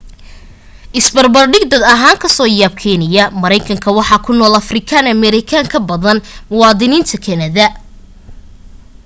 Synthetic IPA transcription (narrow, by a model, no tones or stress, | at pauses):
ʔɪsbɐrbɐrɖɪɡd̪ɐd̪ɐɦaːŋkʰɐsɔːjaːb̚kʰɛnɪjɐmɐɾɐjkʰɐŋkʰɐwɑħɑːkʰʊnɔːlɐfrɪkʰaːnɐmɛɾɪkʰaŋkʰɐbɐðɐnmʊwɑːðɪniːnt̪ʰɐkʰɐnɐðɐ